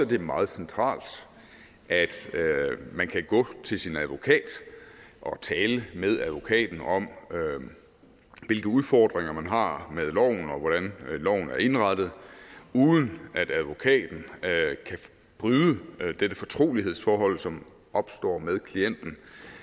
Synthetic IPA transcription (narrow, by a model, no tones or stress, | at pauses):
sɒ̽ɐd̥emɑ̈ːð̩ˠsent͡sʰʁɑ̰̈ːld̥ | ʔæd̥ | mænkʰæɡ̥ɔ̰̽ːt͡sʰe̝lsinæðˠʋo̝kʰɛ̰ːd̥ʔɒ̽t͡sʰɛːləmeð̞ˠæðˠʋo̝kʰɛ̰ːd̥n̩ɒ̽m | ʋe̝lɡ̥əuðˠfɒːd̥ʁeŋɐmænɦɑ̈meðˠlɒʊ̰nɒ̽ʋɒɾ̥ænlɒʊ̰n̩æɐe̝nʁɑ̈d̥ð̞̩ˠuːðˠən̩æd̥æðˠʋo̝kʰɛ̰ːd̥n̩kʰæ | b̥ʁyːðˠəd̥ed̥əfɒ̽t͡sʰʁo̝̰ːliɦe̝ð̞̰ˠsfɒːɦɒ̽l̰sɒ̽m | ʔɒ̽b̥sd̥ɒ̰ːmeðˠkʰlien̰d̥n̩